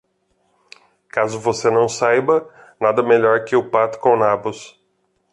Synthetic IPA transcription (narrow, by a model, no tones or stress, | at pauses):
kazʊvosenɐ̃w̃sajbɐ | nad̪ɐmeʎɔɾkɪʊpat̪ʊ̥kõnabʊs